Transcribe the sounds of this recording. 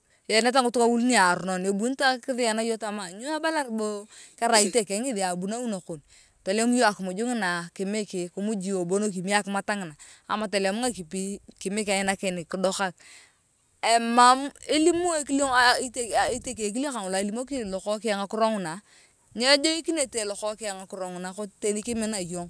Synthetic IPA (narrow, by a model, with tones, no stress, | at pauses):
je˨ne˦t̬a˦ŋʊ˦tʊ˦ka˦wu˦lni˦a˨ɾʊ˨no˨ne˨bu˦n˦ta˦kɪ˦ðɪ˦a˨na˦jo˦ta˦ma˨ɲo˦a˦ba˦la˦rbo˦ka˦ɾa˨i˦te˨ke˨˦ŋɪ˦di˨a˨bu˨na˦u˦no˨kʊ˨n | to˨lo˦m˦jo˦a˨kɪ˨mu˨d͡ʒu˦ŋɪ˦na˨kɪ˨me˦ke˨ku˨˦mu˦d͡ʒi˨o˨bo˦no˦k̬i˨mi˦a˦kɪ˦ma˦ta˦ŋɪ˨na˨a̰˨ma˨ta˨la˨mu˦ŋa˦ki˨pi˦kɪ˨mɪ˦ka˨ɪ˦na˦ke˨nɪ˨kɪ˨dɔ˦ka˦k̚ | e˨ma˦me˦li˦mo˦e˦ki˦lo˦a˦i˦te˨i˦te˨ke˨k̬i˦li˦o˦ka˨nwla˨e˨li˦mo˦ki˦˨lɔ˨kɔ˦kɪ˦a˨ŋa˨kʊ˦ɾo˦ŋʊ˨na˨ | ɲe˦d͡ʒo˦i˦ki˦ne˨te˨lɔ˨kɔ˦ka˨ŋa˨kʊ˦ɾo˨ŋʊ˨na˨ko˦te˦ni˦kɪ˦mɪ˦na˨jo˦ŋ